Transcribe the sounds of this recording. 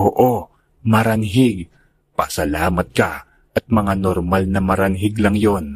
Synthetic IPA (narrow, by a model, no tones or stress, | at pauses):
oːʔo | mɐɾɐnɦɪɡ̚ | pɐsɐlaːmɐt̪̚kɐ | ʔɐt̪̚mɐŋanoɾmalnɐmɐɾɐnɦɪɡlɐŋjon